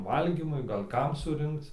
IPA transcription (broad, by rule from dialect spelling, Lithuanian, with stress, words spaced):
ˈʋɐlʲɡʲiːmʊɪ ɡɐlʲ ˈkɐm sʊˈrʲɪŋkt͡s